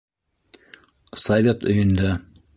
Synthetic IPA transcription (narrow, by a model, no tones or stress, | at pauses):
sɐvʲet̪ɵ̆jɵ̆nd̪æ